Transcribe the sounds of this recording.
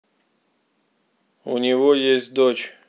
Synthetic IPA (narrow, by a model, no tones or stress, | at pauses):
ṵnʲɪvojesʲt̚ʲd̪ot͡ɕ